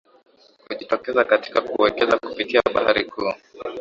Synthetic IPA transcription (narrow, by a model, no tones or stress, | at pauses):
huʄitɔkɛzakati̥kakuwɛkɛzakupitiaɓahaɾikʰuː